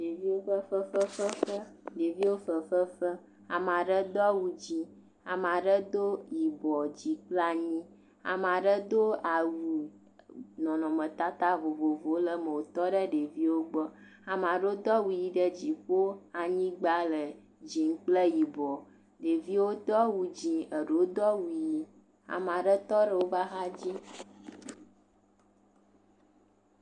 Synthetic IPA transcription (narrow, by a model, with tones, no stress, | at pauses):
ɖe˨vi˦wo˦fə˦fə˦fə˦fə˦fə˦ɖe˨vi˦wo˦fə˨fə˦fə˦ | a̰˨m˨a˨ɖə˦d̪ɔ˦wu˨d͡ʑi˦ | a̰˨m˨a˨ɖə˦d̪o˦ji˨bɔ˨d͡ʑi˨k͡pla˦ɲĩ˦ | a̰˨m˨a˨ɖə˦d̪o˦a˨wu˨ | nɔ̃˨nɔ̃˨mə̃˨t̪a˦t̪a˦vo˨vo˨vo˨˦lə˦mə̃˨wo˨t̪ɔ˦ɖə˦ɖe˨vi˦wo˦ɡ͡bɔ˦ | a˨m˨a˨ɖo˦d̪ɔ˦wu˨˦ji˦ɖə˦d͡ʑi˨ɸo˦a˨ɲĩ˦ɡ͡ba˦lə˨ | d͡ʑi˨ŋ̩˦k͡plə˦ji˨bɔ˨ | ɖe˨vi˦wo˦t̪ɔ˦wu˨d͡ʑi˨ə˨ɖo˦d̪ɔ˦wu˨ji˦ | a̰˨m˨a˨ɖə˦t̪ɔ˦ɖə˦wo˦va˦ɦa˦d͡ʑi˦